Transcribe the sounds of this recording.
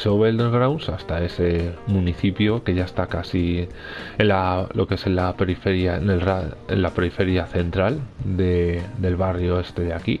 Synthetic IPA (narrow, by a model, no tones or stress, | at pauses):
soβeld̪eɣɾawnsast̪ae̞se̞mũniθipjoke̞ʝaest̪akasi | enlalo̞ke̞senlape̞ɾife̞ɾjaene̞lraḛnlapeɾife̞ɾjaθe̞nt̪ɾald̪ed̪e̞lβ̞arjo̞e̞st̪e̞ðeaki